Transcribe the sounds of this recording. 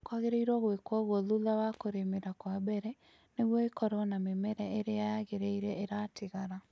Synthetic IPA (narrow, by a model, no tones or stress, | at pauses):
kwaɣeɾeiɾwɔɣwekwɔɣwɔðuðawakoɾemeɾakwabɛɾɛ | neɣwɔekɔɾwɔnamemɛɾɛeɾeajaɣeɾeiɾɛeɾateɣaɾa